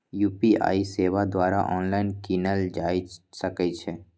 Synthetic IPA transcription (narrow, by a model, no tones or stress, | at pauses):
juːpia̰ːiseːʋad̪ʋaːɾaʔɔːnlaːɪnkinəld͡ʒaːisəkət͡ʃʰe